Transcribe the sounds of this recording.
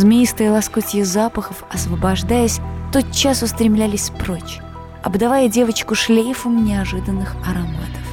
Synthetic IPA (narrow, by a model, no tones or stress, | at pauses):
zmʲɪist̪əjəlˠɐskutʲɪjɪzapəxəfɐsvəbɐʐd̪ajəsʲt̪o̞t̪̚t͡ɕːasʊst̪ɾʲɪmlʲælʲɪsʲpɾot͡ɕ | ɐ̰bd̪ɐvajədʲe̞vət͡ɕkʊʂlʲejfəmnʲɪɐʐɨd̪ənːɨxɐɾɐma̰t̪ə̥f